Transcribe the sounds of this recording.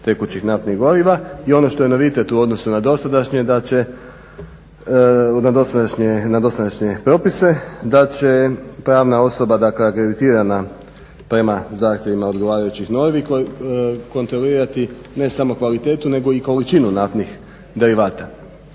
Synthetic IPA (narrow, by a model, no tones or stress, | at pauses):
t̪e̞kut͡ɕixnaft̪niɣɡo̞ɾiʋaio̞no̞ʃt̪ojeno̞ʋit̪e̞t̪uo̞d̪no̞sunad̪o̞st̪ad̪aʃɲed̪at͡ɕe | nad̪o̞st̪ad̪aʃɲenad̪o̞st̪ad̪aʃɲe̞pɾo̞pise̞d̪at͡ɕe̞pɾaːʋnao̞so̞bad̪akleakɾe̞d̪it̪iːɾana | pɾe̞mazaːxt̪je̞ʋimao̞d̪ɡo̞ʋaːɾajut͡ɕixno̞ʋik | ko̞nt̪ɾo̞liːɾat̪i | ne̞samo̞kʋalit̪e̞ːt̪une̞ɡo̞iko̞lit͡ʃinunaft̪nix | d̪e̞ɾiʋaːt̪a